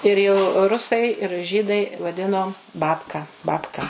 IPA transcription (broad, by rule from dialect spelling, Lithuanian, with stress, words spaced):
ɪr jɛʊ ˈrʊsɐɪ ɪr ˈʒʲiːdɐɪ ʋɐˈdʲɪnoː ˈbɑːpkɐ ˈbɑːpkɐ